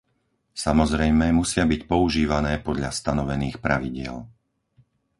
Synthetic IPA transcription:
samɔzɾɛjmɛmusɪabicpɔuʒiːʋanɛːpɔd̪ʎast̪anɔʋɛniːxpɾaʋiɟɪɛ̰l

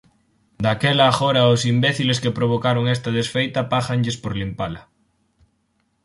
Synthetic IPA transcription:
d̪akelaːxoɾaosimbeθileskepɾoβ̞okaɾoŋest̪að̞esfejt̪apaʝaŋʎespoɾlimpala

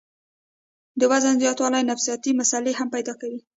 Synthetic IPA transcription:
d̪əwazanzjɑt̪wɑlajnafsijɑt̪imasalehampajd̪ɑkawi

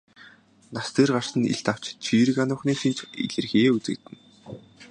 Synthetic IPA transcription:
nast̪ʰeːrɢar̥sə̆nḭɮt̪aw̥t͡ɕt͡ɕʰiːɾɘ̆kanʊːχniːʃint͡ɕḭɮɘ̆rɣeːut͡sɘ̆k̚t̪ɘ̆n

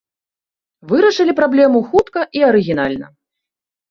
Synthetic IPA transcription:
vɨɾɐʂɨlʲipɾablʲɛmuxut̪kɐʔiɐɾɨɣʲin̪alʲnɐ̰

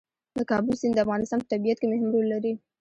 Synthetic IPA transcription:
d̪əkɑbəlsɪnd̪əafɣɑnɪst̪ɑnpət̪abijat̪̚kemehmɾulaɾi

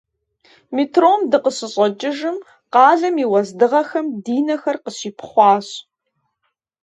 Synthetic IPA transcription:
mitʰroːmdɨqəsɨɕʼɐt͡ʃʼɪʒɨm | qɑːɮɐmiːwɐzdɨʁɐxɐmdiːnɐxɐrqəɕiːpʰχʷɑːɕ

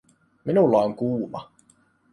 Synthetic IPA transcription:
minulːɑoŋkuːmɑ̰

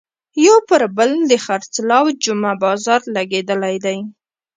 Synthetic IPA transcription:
jowpəɾbəld̪əxaɾt͡slɑwd͡ʒʊmabɑzɑɾlaɡed̪əlajd̪aj

